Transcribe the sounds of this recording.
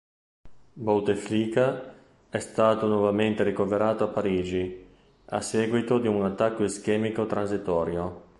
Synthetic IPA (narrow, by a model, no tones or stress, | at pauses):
bolt̪efliːka | ɛst̪aːt̪onwɔvament̪eɾikoveɾaːt̪oapːaɾiːd͡ʒi | a̰sːɛːɡwit̪od̪iunat̪ːakːoesk̟ɛːmikot̪ɾanzit̪ɔːɾjo